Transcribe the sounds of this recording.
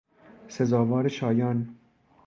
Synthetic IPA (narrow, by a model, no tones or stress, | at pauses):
sezɒːvɒːɾeʃɒːjɒːn